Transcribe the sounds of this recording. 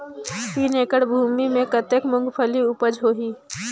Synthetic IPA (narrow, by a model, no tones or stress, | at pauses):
piːneːkəɽbʱuːmimẽkət̪ekmʊ̃ŋɡpʰəliʊpəd͡ʒɦoːɦiː